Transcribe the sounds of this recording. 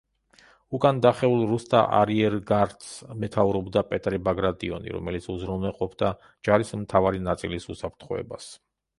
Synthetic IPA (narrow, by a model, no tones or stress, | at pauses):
ukʼand̪aχɛulˠɾust̪ʼaʔa̰ɾiɛɾɡaɾt̪smɛt̪ʰauɾɔbd̪apʼɛt̪ʼɾibaɡɾad̪ʼiɔnḭɾɔ̰mɛlit̪sʰuzɾɔnɛqʼɔpʰd̪a | d͡ʒaɾismt̪ʰavaɾinat̪sʼilisusapʰɾt̪ʰχɔɛ̰ba̰s